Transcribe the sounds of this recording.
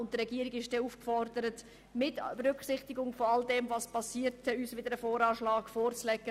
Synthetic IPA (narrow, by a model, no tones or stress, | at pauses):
ʊntd̥əɾɛɡiəɾɪɡɪʃd̥ɛːuːfkfɔɾdəɾət | mɪtbeɾʏkχsɪχtɪɡʊŋfoɑldɛmvɑspʰɑsiːəɾtɛyːsʋɪdəɾəfoːɾɑːʃlɑːɡfoːrt͡slɛɡə